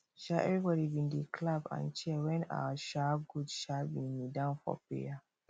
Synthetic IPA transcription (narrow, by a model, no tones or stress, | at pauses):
ʃaɛvɹibɔɾibĩndikʰlabã̰nt͡ʃɛwɛ̃na̰wəʃaɡudʃabĩnidãʊnfɔ̰pḛja